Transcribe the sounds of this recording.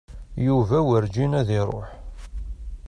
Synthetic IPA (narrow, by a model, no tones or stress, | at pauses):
juvæwəɾd͡ʒinæðiɾˤo̰ħ